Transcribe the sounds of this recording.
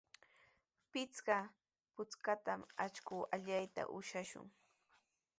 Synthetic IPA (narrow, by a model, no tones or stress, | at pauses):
pɪt͡ska | pʊt͡skat̪amat͡ʃkʊːaʎajt̪a̰ʔʊʃaʃʊ̰ŋ